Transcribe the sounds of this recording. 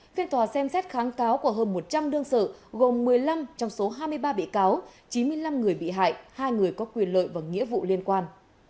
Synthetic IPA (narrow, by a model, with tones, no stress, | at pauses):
fi˧ənt̪waː˨˩sɛ˧msɛ˦˥t̚xaː˨˦nkaː˨˦wku˧˩əɦəː˧nmo˨˩t̚t͡ɕa˧mɗɨ˧əŋsə̰ː˧˨ɣo˨˩mːɨ˨˩əjla˧mt͡ɕɔ˧wŋ͡mso˨˦ɦaː˧jmɨ˧əjɓaː˧ɓḭ˧˨kaː˨˦wt͡ɕi˨˦nmɨ˧əjla˧mŋɨ˨˩əjɓḭ˧˨ɦa̰ː˧˨jhaː˧jŋɨ˨˩əjkɔ˨˦kwi˨˩ənlə̰ː˧˨jvaː˨˩ŋḭ˧˥əvṵ˧˨li˧ənkwaː˧n